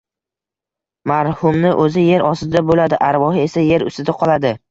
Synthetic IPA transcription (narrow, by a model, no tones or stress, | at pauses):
maɾhʊmnɪʔɵzɪje̞ɾɒsɪd̪abolad̪ɪʔaɾvɒhɪe̞saje̞ɾʊ̰st̪ɪd̪aqʰɒlad̪ɪ